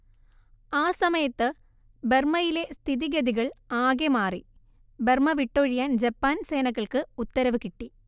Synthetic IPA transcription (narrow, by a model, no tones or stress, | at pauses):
aːsɐmɐjɐt̪ːɨ | bermɐjilest̪ʰiðiɡɐðiɣɐɭaːɡemaːri | bermɐʋiʈːoːɻijaːnd͡ʑɐpːaːnseːnɐɣːɐɭkɨut̪ːɐɾɐʋɨkiʈːi